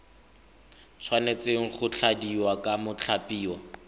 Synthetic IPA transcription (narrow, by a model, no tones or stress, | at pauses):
t͡sʰwanet͡seŋ̩χʊt͡ɬʰadiwakʼamʊt͡ɬʰapʼiːwa